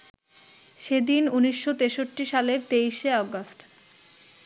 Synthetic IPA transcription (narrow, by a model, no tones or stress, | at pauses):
ʃed̪inuniʃːot̪eʃoʈːiʃaleɾt̪ejʃeɔɡosʈ